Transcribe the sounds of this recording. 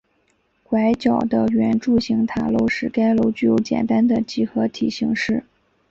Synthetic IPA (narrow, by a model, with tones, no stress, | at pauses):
kwa˧˥ɪt͡ɕjɑ˨˩ʊd̪ə˦ɥɛ˧˥nʈ͡ʂu˥˩ɕi˧˥ŋt̪ʰa˨˩lo˧˥ʊʂɻ̩˥˩ka˥ɪlo˧˥ʊt͡ɕy˥˩jo˧˥ʊt͡ɕjɛ̰˨˩nt̪a˥nd̪ə˨t͡ɕi˥˩xɤ˧˥t̪ʰi˨˩ɕi˧˥ŋʂɻ̩˥˩